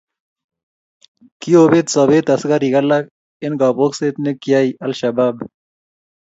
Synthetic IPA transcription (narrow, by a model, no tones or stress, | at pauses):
kioːbet̪sɐbet̪ɐsɡaɾiɡɐlːak̚ | enɡɑːpokset̪nekjaːiɐlɕɐbaːb